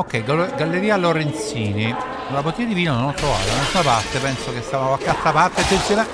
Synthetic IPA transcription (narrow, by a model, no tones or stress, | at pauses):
okːɛjɡaɡalːeɾiːaloɾent̪siːni | nolabot̪ːiad̪iviːnononɔt̪ːɾova̰ːt̪anasunapart̪epɛnsokest̪aakwakealt̪ɾapart̪ːet͡ʃːesjona